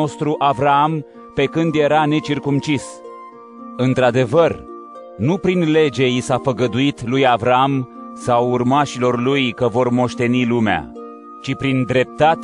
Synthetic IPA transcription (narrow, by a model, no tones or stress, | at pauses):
o̞st̪ɾuʔavɾaam | pe̞kɨnd̪je̞ɾane̞t͡ʃirkumt͡ʃis | ɨnt̪ɾad̪e̞vər | nupɾinle̞d͡ʒe̞jisafəɡəd̪uit̪lujavɾaamsawurmaʃilo̞rlujkəvo̞rmo̞ʃt̪e̞nilumea̰ | t͡ʃipɾind̪ɾe̞p̚t̪at̪